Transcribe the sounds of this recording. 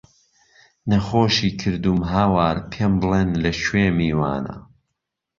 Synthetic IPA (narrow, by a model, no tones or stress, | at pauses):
nɐxoːʃiːkʰɨɾd̪umɦaːwaːɾpʰembɨleːnlɐʃweːmiːwa̰ːnɐ̰